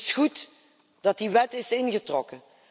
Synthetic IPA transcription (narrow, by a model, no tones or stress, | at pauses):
sχut | d̥ɑt̚diʋɛtɪsɪnɣətrɔkə